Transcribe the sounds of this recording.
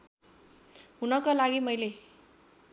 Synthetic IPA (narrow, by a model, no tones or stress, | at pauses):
ɦunʌkalaɡimʌjle